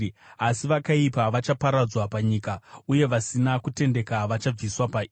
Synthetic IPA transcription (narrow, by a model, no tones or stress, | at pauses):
asiʋakaipaʋat͡ʃapaɾad͡zwapaɲiːkauje̞ʋasinakute̞nde̞kaʋat͡ʃab͡viswapai